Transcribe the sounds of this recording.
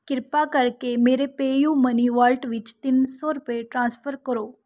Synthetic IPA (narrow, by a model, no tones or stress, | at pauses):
kɪɾpakəɾkemeːɾepeːjũməniʋalʈʋɪt͡ʃt̪ɪnsoɾupeʈɾãːnspʰəɾkəɾoː